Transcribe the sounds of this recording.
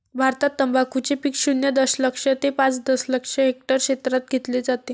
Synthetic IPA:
bʱaɾt̪at̪ːəmbakut͡ɕepikɕunjəd̪əsləkʂət̪epãt͡sd̪əsləkʂəɦek̚ʈəɾɕet̪ɾat̪̚ɡʱet̪led͡zat̪e

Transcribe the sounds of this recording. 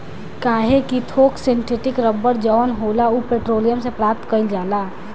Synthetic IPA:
kaːɦekit̪ʰoːksɪɳʈʰeʈɪkɾəbːəɾd͡ʒəʋənɦoːlaupeːʈɾoːlijəmsepɾaːp̚t̪kəɪld͡ʒaːlaː

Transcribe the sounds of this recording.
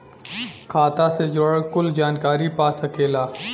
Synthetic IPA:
kʰaːt̪ased͡ʒoɽkʊld͡ʒaːnkaːɾipaːsɐkeːlaː

